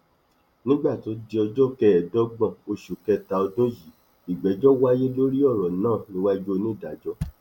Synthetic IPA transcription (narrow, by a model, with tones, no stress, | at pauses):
nĩ˦ɡ͡ba˦˨to˨˦di˧ɔ˧d͡ʒɔ˦kɛ˧ɛ˨dɔ˦ɡ͡bã˨o˧ʃu˨kɛ˧ta˧ɔ˧dũ˦ji˨˦ | i˨ɡ͡bɛ˨˦d͡ʒɔ˦wa˦je˦lo˦ɾi˦ɔ˦˨ɾɔ˨nãː˦˨nĩ˦wa˦d͡ʒo˦˧nĩ˦˨da˨d͡ʒɔ˧˦